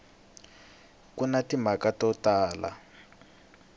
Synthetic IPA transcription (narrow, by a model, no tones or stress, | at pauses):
kunatimakatɔtaːla̰